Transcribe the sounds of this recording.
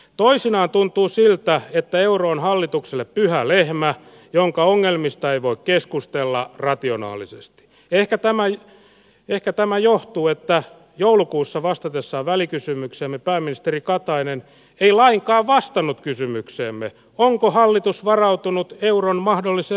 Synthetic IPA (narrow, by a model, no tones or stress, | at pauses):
t̪oisinɑːnt̪unt̪uːsilt̪æet̪ːæeuroːnhɑlːit̪ukselːeppyhælehmæ | joŋkɑoŋːelmist̪ɑeiʋoikkeskust̪elːɑrɑt̪ionɑ̰ːlisḛst̪i̥ | ehkæt̪æmæj | ehkæt̪æmæjoht̪uːet̪ːæ | joulukuːsːɑʋɑst̪ɑt̪esːɑʋælikysymykseːmːepæːmːinist̪erikɑt̪ɑinen | eilɑiŋkɑːʋʋɑst̪ɑnut̪kysymykseːmːe | oŋkohɑlːit̪usʋɑrɑut̪unut̪euronmɑhdolːise